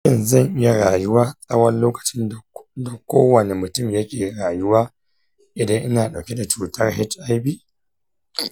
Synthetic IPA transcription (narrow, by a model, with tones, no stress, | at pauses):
ʃɪ˦nzɐ˦˨ŋʔɪ˦ja˦ɽaː˨jʊ˦waː˦sʼɐ˦wɐ˦nloː˦kɐ̥˨t͡ʃɪ˦n˨dɐ˨kʷoː˦wɐ˨ne˨mʊ˨tʊ˦˨mjɐ˦kʲeː˨ɽaː˨jʊ˦waː˦ | ʔɪ˨dɐ˦ŋʔɪ˦naː˨ɗa˨wkʲe˦da˨t͡ʃuː˨tɐ˦rhɪ˦t͡ʃa˦jbiː˦